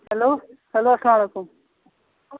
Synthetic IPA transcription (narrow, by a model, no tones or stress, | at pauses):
hɐlohɐloɐslamɐlekum